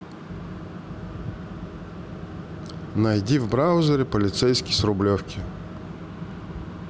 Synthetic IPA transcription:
nɐjdʲivbɾawzʲəɾʲɪpəlʲɪt̪sɛjsʲkʲɪjsɾʊblʲofkʲɪ

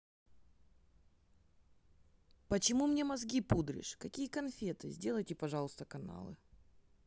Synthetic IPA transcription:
pət͡ɕɪmumnʲe̞mɐzɡʲipud̪ɾʲɪ̰ʂkɐkʲijəkɐnfʲet̪ɨzʲdʲe̞lˠəjtʲɪpɐʐɑlˠʊst̪əkɐna̰lˠɨ̰

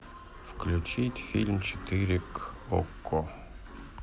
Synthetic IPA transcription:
fklʲʊt͡ɕit̪ʲfʲilʲmt͡ɕɪt̪ɪɾʲɪkɔkːɔ

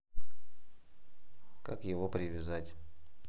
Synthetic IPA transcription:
kakjɪvopɾʲɪvʲɪzatʲ

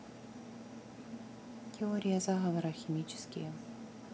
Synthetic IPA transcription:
tʲɪoɾʲɪjɐzaɣɐvɐɾɐxʲɪmʲit͡ɕɪ̥skʲɪ̰jə

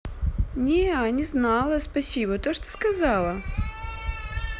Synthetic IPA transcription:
nʲeanʲɪznɑlˠəspɐsʲibət̪oʂt̪o̥skɐzɑlˠə

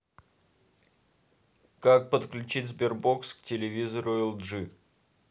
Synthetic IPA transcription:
kak̚pət̪klʲʉt͡ɕitʲzbʲɪrboksktʲɪlʲɪvʲizəɾʊɛlˠʐɨ

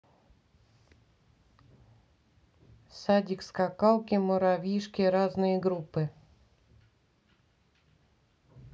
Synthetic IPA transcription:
sadʲikskakalˠkʲɪmɔɾavʲiʂkʲɪɾaznɨjəɡɾupɨ

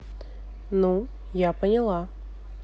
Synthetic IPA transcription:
nu | japənʲɪlˠa

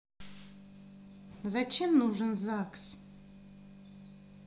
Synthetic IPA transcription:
zat͡ʃʰemnuʐənzaks

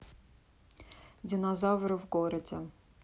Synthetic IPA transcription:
dʲɪnɐzavɾɨvɡoɾədʲɪ

